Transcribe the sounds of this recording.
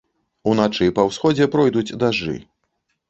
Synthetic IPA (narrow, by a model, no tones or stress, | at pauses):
unat͡ʂɨpɐwsxɔd͡zʲɛpɾɔjd̪ud͡zʲd̪aʐɨ̰